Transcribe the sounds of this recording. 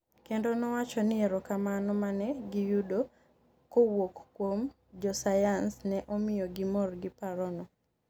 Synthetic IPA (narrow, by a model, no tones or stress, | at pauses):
kendonɔwat͡ʃɔnɪɛɾɔkamanɔmanɛɡɪjudo | kowokkwom | d͡ʒɔsajansnɛʔomɪjɔɡɪmɔrɡɪpaɾɔnɔ